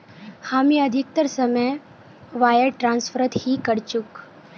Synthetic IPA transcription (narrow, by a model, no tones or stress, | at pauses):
hamiːəd̪ʱik̚t̪əɾsəməj | ʋajəɽʈɾãnsfʰəɾət̪hiːkəɽt͡ɕuk